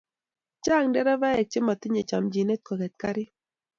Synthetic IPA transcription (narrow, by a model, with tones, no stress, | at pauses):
t͡ʃa˦˨ŋdɛ˦ɾɛ˦va˦jɛ˨t͡ʃe˦ma˨t̪ɪ˦ɲe˨t͡ʃa˨md͡ʒi˨ne˦t̪̚kɔ˨kɛ˨t̪̚ka˦ɾɪ˦